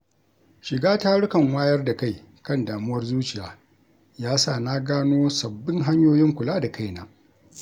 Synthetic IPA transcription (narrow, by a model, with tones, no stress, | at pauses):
ʃɪ˨ɡaː˦taː˦ɽʊ˦kɐ˨ŋwaː˦jɐ˦rda˨ka˦˨j | kɐ˦˨ndaː˨mʊ˦wɐ˦rzuː˦t͡ʃɪ˨jaː˨ | jaː˦saː˦˨naː˦ɡaː˦noː˦sɐ˨bːɪ˦ŋɦa˦ɲjoː˦jɪ˦ŋkʷʊ˨laː˦da˨ka˦˨jnaː˨